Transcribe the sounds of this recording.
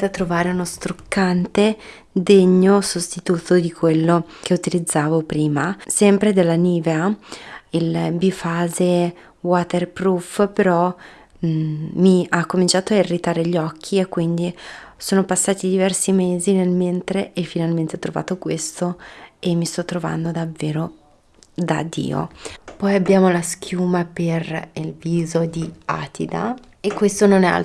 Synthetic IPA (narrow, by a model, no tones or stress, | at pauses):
eat̪ːɾovaːɾeunost̪ɾukːant̪e | d̪eɲːosost̪it̪uːt̪od̪ikwelːok̟eut̪ilid̪zːaːvopɾiːmasɛmpɾed̪elːaniːvea | ilbifaːze | wat̪erpɾufpeɾɔ | miakːomint͡ʃaːt̪oairːit̪aːɾeʎɔkʰːiekːwind̪isoːnopasːaːt̪id̪ivɛrsimeːzinelment̪ɾeʔefːinalment̪eɔt̪ːɾova̰ːt̪okwest̪oemːist̪ɔt̪ːɾova̰nd̪od̪avːeːɾo | d̪a̰d̪ḭːo̰pɔjabːjaːmolaskʰjuːmaperilviːzod̪ia̰ːt̪ʰid̪a̰ | ekːwest̪ononɛa̰l